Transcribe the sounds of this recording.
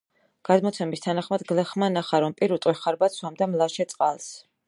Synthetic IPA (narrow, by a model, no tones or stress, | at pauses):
ɡ̥ad̪mɔt̪sʰɛmist̪ʰanaχmad̪ɡlɛχmanaχaɾɔmpʼiɾut̪ʼwɛχaɾbat̪sʰwamd̪amlˠaʃɛt̪sʼqʼalˠs